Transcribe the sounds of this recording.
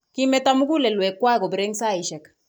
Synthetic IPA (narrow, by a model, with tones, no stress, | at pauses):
ki˦mɛ˨ta˦mu˦ku˦lɛ˨lwɛ˨kːwa˦ɛ˦˨ko˨bɾe˦ŋsa˦i˨ʃɛ˨k